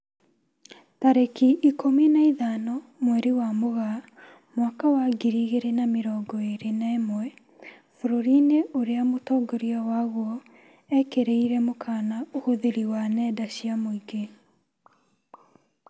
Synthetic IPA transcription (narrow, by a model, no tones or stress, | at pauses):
taɾekiʔikʰominaiðanɔmwɛɾiwamoɣa | mwakawaɡiɾiɣeɾenameɾɔːɡɔeɾenamwɛ | foɾoɾineʔoɾeamotɔːɡɔɾiɔwaɣwɔ | ɛkeɾeiɾɛmokʰaːnaohoðeɾiwanɛːdaɕiamoiɡe